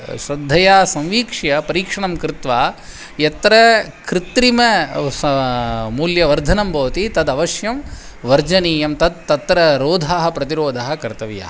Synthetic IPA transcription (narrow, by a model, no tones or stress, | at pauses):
ʃɾɐd̪ʱːɐjaːsɐ̃mʋiːkʂɐjɐpɐɾiːkʂɐɳɐmkɾɪt̪ʋaː | jɐt̪ɾɐkɾɪt̪ɾimɐ | muːljɐʋɐɾd̪ʱɐnɐmbʱɐʋɐt̪it̪ɐd̪ɐʋɐʃjɐm | ʋɐɾd͡ʒɐniːjɐmt̪ɐd̪̚t̪ɐt̪ːɾɐɾoːd̪ʱaːɦɐ̆pɾɐt̪iɾoːd̪ʱaɦɐ̆kɐɾt̪ɐʋijɐ̰ɦɐ